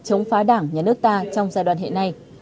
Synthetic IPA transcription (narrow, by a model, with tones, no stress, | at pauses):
t͡ɕə˨˦wŋ͡mfaː˨˦ɗaː˧˩ŋɲaː˨˩nɨ˦˥ək̚t̪aː˧t͡ɕɔ˧wŋ͡mzaː˧jɗwaː˨˩nɦḛ˧˨na˧j